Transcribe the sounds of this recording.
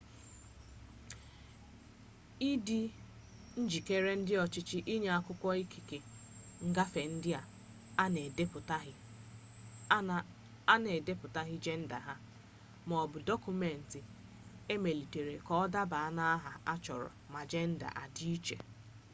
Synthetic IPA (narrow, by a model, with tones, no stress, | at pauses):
i˦di˦ | n̩˦d͡ʒi˨ke˦ɾe˦n̩˦dɪ˦ɔ˨t͡ʃɪ˦t͡ʃɪ˦ʔi˦ɲe˨a˦kʊ˦kʷɔ˦i˦ki˨ke˨ŋ̩˦ɡa˦fe˨n̩˦dɪ˦a˨ | a˦ne˨de˦pʊ˨ta˦ɦɪ˦ | a˦ne˨de˦pʊ˨ta˦ɦi˦d͡ʒe˦n̩˦da˨ɦa˦ | mɔ˨bʊ˨dɔ˦ku˨me˨n̩˨tɪ˨ | e˦me˨li˨te˨ɾe˨kɔ˦ɔ˦da˦ba˨a˦na˦a˦ɦa˨a˦t͡ʃɔ̰˨ɾɔ̰˨ma˨d͡ʒe˦n̩˦da̰˨ʔa˨di˦i˦t͡ʃḛ˨